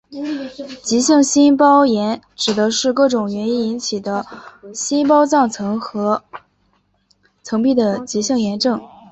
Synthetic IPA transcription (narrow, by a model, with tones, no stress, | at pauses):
t͡ɕi˧˥ɕjɤ˥˩ŋɕi˥npɑ˥ʊjɛ˧˥nʈ͡ʂɻ̩˨˩d̪ə˦ʂɻ̩˥˧kɤ˥˩ʈ͡ʂʊ˨˩ŋɥɛ˧˥ni˥ni˧˥nt͡ɕʰi˨˩d̪ə˦ɕi˥np̬ɑ˥ʊt͡sɑ˥˩ŋt͡sʰɤ˧˥ŋxɤ˧˥ | t͡sʰɤ˧˥ŋpi˥˩d̪ə˩t͡ɕi˧˥ɕɤ˥˩ŋjɛ˧˥nʈ͡ʂɤ˥˩ŋ